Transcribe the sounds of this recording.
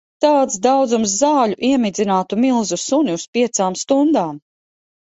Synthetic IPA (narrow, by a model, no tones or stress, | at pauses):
t̪aːt̪sd̪awd̪zumszaːʎuʔiɛmid̪zinaːt̪umilˠzusuniuspiɛt̪saːmst̪und̪aːm